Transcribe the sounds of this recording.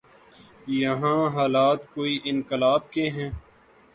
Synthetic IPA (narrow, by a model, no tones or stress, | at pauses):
jɐɦãːɦaːlaːt̪koːiːʔɪnkɪlaːb̚keɦɛ̃ː